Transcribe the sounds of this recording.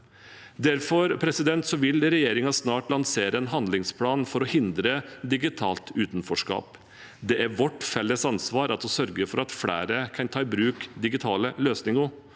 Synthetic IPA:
d̪æɾfɔɾpʰɾɛsɪd̪ɛnt̪sɔʋɪlɾɛjeːɾɪŋɑsnɑːʈlɑnseːɾəɛnɦɑnd̪lɪŋspʰlɑːnfɔɾɔhɪnd̪ɾəd̪ɪɡɪt̪ʰɑ̰ːlt̪ʉːt̪n̩fɔʂkɑ̰ːp | d̪ɛʔæɾʋɔʈːfɛlːəsɑnsʋɑːɾʔɑt̪ɔsœɾɡəfɔɾɑt̪fɽæ̰ːɾəkʰɑnt̪ʰɑːɪbɾʉːkd̪ɪɡɪt̪ʰɑːləløːsnɪŋʊ

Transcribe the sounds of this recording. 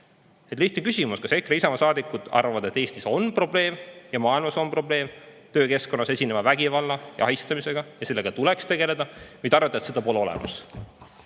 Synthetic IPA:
e̞t̪liht̪nekysʲimuskɑse̞kreisɑmɑsɑːd̪ikːˑud̪̥ɑ̰rvɑvɑd̪e̞t̪ːˑe̞ːst̪iso̞npro̞ble̞ːmjɑmɑːilmɑso̞npro̞ble̞ːmt̪ø̞ːke̞sko̞nːɑse̞sʲine̞mɑvæɡ̥ivɑlːɑjɑ̰ɑɦist̪ɑmise̞ɡ̥ɑjɑse̞lːe̞ɡ̥ɑt̪ulekst̪e̞ɡ̥e̞le̞d̪ɑvɑjd̪ɑrvet̪ːɑt̪sed̪ɑpo̞leo̞lɛ̰mʔɑ̰s

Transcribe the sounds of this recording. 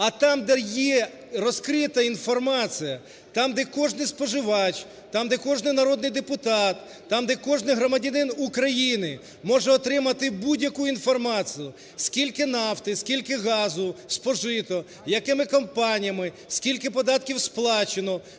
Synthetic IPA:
ɐt̪ɑmd̪ɛjɛ | ɾɔskɾɪt̪ɐinfɔrmɑt͡sʲijɐ | t̪ɑmd̪ɛkɔʒnɪjspɔʒɪʋɑt͡ʃʲː | ɑmd̪ɛkɔʒnɪjnɐɾɔd̪nɪjd̪epʊt̪ɑt̪ːɑmd̪ɛkɔʒnɪjɦɾɔmɐdʲɐnɪnukɾɐjinɪ | mɔʒɛɔt̪ɾɪmɐt̪ɪbudʲjɐkuinfɔrmɑt͡sʲijʊ | skʲilʲkɪnɑft̪ɪskʲilʲkɪɣɑzʊspɔʒɪt̪ɔ | jɐkɪmɪkɔmpɑnʲijɐmɪ | skʲilʲkɪpɔd̪ɑt̪̚kʲiwsplˠɑt͡ʃenɔ

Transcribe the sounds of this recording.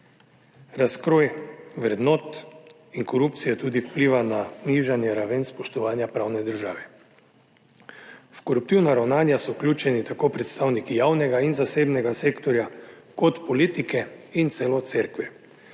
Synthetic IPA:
ɾaskɾoːjʋɾɛd̪noːt̪ | iŋkɔɾup̚t̪sijɛt̪uːd̪iwpliːʋananiʒanjɛɾaʋenspɔʃt̪ɔʋaːnjapɾaːwnɛd̪əɾʒa̰ːʋɛ | fkɔɾup̚t̪iwnaɾawnaːnjasɔwklʲuːt͡ʃɛnit̪akoːpɾɛt̪st̪aːwnikijaːwnɛɡainzaseːbnɛɡaseːkt̪ɔɾja | kɔt̪pɔlit̪ikɛint̪seːlɔt̪seɾkʋɛ

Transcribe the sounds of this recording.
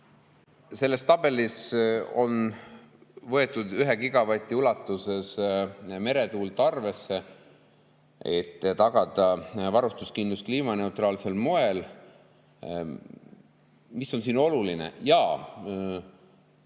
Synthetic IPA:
se̞lːe̞st̪ɑb̥e̞liso̞̰n | vɤ̞e̞t̪ːˑud̪yɦekiɡ̥ɑvɑt̪ʲːˑiulɑt̪ːˑuse̞sme̞ɾe̞t̪uːlt̪ˑɑrve̞sːe̞ | et̪ːt̪ɑɡ̥ɑd̪̥ɑvɑɾust̪uskind̪uskliːmɑne̞ut̪rɑːlse̞lmo̞e̞l | miso̞nsiːno̞lulinḛjɑː

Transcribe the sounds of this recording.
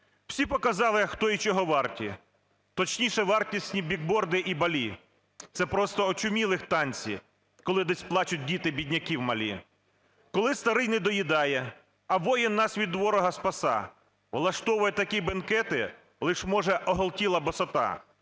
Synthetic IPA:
w̥sʲipɔkɐzɑlˠɪɐxt̪ɔit͡ʃɔɦɔʋɑrtʲi | t̪ɔt͡ʃnʲiʃɛʋɑrtʲisʲnʲibʲiɡ̚bɔrd̪ɪʔibɐlʲi | t̪sɛpɾɔst̪ɔːt͡ʃʊmʲilˠɪxt̪ɑnʲt͡sʲḭ | kɔlˠɪd̪ɛsʲplˠɑt͡ʃʊt̚ʲdʲit̪ɪbʲidʲnʲɐkʲiwmɐlʲḭ | kɔlˠɪst̪ɐɾɪjnɪd̪ɔjid̪ɑjɛ | ɐʋɔjɪnːɑsʋʲid̪ʋɔɾɔɦɐspɐsɑ̰ | ʋlˠɐʃt̪ɔʋʊjɛt̪ɐkibɛnkɛt̪ɪ | lˠɪʃmɔʒɛʔɔɦɔlˠtʲilˠɐbɔsɔt̪ɑ̰

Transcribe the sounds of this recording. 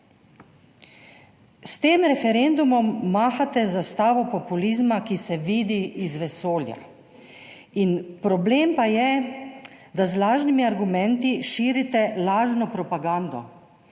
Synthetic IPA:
st̪eːmɾɛfɛɾɛnd̪umɔmːaːxat̪ɛzast̪aːʋɔpɔpuliːzmakisɛʋiːd̪iizʋɛsoːlja̰ | inpɾɔbleːmpajɛ | d̪azlaːʒnimiaɾɡumɛ̃nt̪iʃiːɾit̪ɛlaːʒnɔpɾɔpaɡaːnd̪ɔ̰

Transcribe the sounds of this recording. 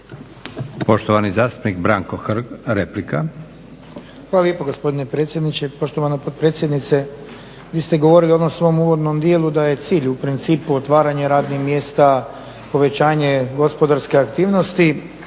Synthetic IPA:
po̞ʃt̪oʋanizaːst̪u̥pnikbɾaŋkoxɾɡɾeplika | xʋalaljepoɡo̞spo̞d̪ine̞pɾet̪sʲje̞d̪nit͡ɕepo̞ʃt̪oʋanapod̪̚pɾe̞ːt̪sjed̪nit̪se̞ | ʋiːst̪e̞ɡo̞ʋo̞ɾilio̞d̪o̞msʋo̞muːʋo̞d̪no̞md̪jelˠud̪aje̞t̪siːʎupɾint̪siːpuot̪ʋaːɾaɲeɾaːd̪nixmje̞ːst̪a | po̞ʋe̞t͡ɕaːɲe̞ɡo̞spo̞d̪aɾske̞akt̪iːʋno̞st̪i

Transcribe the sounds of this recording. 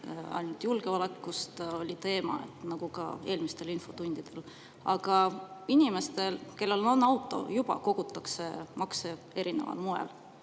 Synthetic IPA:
ɑ̰jnult̪julɡ̥e̞ɑlekːust̪o̞lʲit̪e̞ːmɑ̰ḛt̪ːˑnɑɡ̥ukɑ̰e̞ːlmist̪e̞linfo̞t̪unʲd̪̥id̪̥e̞l | ɑɡɑinʲime̞st̪e̞lke̞lːe̞lononːɑwt̪ːˑo̞̰jub̥ɑ̰ko̞ɡ̥ut̪ːˑɑkse̞mɑkse | e̞ɾine̞̰vɑ̰lmuḛl

